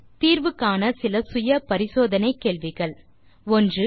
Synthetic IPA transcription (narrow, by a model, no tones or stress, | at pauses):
t̪iːɾʋɯkːaːnɐsɪlɐsʊjɐpɐɾɪsoːðɐnɐɪkːeːɭʋɪɣɐɭ | ɔndrɯ